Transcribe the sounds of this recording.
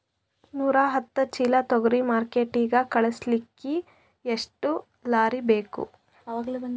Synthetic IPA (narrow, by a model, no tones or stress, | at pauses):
nuːɾaɦɐt̪ːɐt͡ʃiːlɐt̪ɔɡɐɾimaːɾkeːʈiːɡɐkɐɭɐslikːi | eʂʈu | laːɾibe̞ːkṵ | ɐʋaːɡɐlubɐ